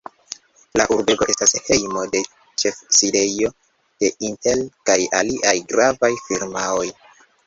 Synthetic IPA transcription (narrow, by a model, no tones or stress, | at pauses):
laʔuɾbe̞ɡo̞ʔe̞stashe̞jmo̞de̞ | t͡ʃe̞fsiɾe̞jo̞ | d̥e̞ʔinte̞lkaja̰liʔajɡɾavajfiɾmao̞j